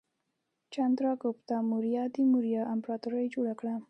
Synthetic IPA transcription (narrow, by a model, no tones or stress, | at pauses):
t͡ʃand̪ɾɑkopt̪ɑmuɾjɑd̪imuɾjɑʔampɾɑt̪uɾajd͡ʒoɽakɽa